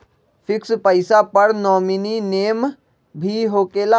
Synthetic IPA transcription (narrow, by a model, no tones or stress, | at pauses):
pʰɪkspəɪsapəɾnɔːminineːm | bʱiɦoːkela